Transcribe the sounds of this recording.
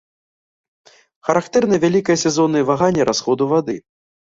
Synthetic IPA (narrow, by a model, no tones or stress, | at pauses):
xɐɾakt̪ɛrnɐjɐvʲalʲikɐjɐsʲɛzɔnːɨjvaɣanʲːɐɾʔasxɔd̪uvad̪ɨ